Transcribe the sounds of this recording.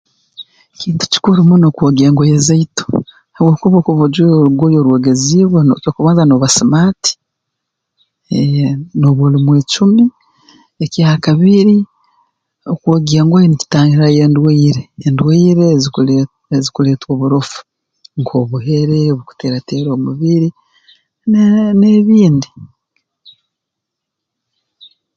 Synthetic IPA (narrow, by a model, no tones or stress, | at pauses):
ciːntu̥ci̥kuɾimunokwoɡeːŋɡojezaito̥ | haβwoːkuβokoβoɟuoɾuɡojoɾweɡeziβwaotokuβaːnzanoβasimaːti̥ | noβulimwet͡ʃumi | eciaːkaβiɾi | okwoɡiaŋɡwajenici̥taːŋiɾajendweːɾeːndweːɾezul | ezikule̞ːtwoːβuɾofu̥ | ŋkʰo̞βuɦe̞ɾeoβuku̥teɾateɾo̞ːmuβiɾi | neβiːndi